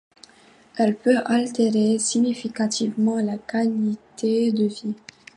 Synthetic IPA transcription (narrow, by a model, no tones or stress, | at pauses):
ɛlpøʔalt̪eʁesinifikat̪ʰivmɑ̃lakalit̪ʰed̪əvi